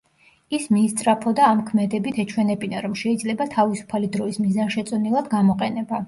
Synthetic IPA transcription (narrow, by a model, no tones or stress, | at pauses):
ismiːst̪sʼɾapʰɔd̪aːmkʰmɛd̪ɛbit̪ʰɛt͡ʃʰwɛnɛbinaɾɔmʃɛid̪zlɛbat̪ʰavisu̥pʰalid̪ɾɔismizanʃɛt̪sʼɔnilˠad̪ɡamɔqʼɛnɛba